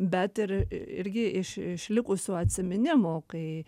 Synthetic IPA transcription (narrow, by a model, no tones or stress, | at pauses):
bʲɛt̪ɪɾɪ̰ɾʲɡʲɪɪʃɪʃʲlʲɪkʊsʲʊɐt̪ʲsʲɪmʲɪnʲɪmoːkɐɪ